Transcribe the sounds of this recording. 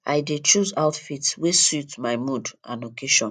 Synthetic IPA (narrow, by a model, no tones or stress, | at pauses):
a̰jdet͡ʃuzaʊtfitwesutmajmudã̰nokʰeʃɔ̃n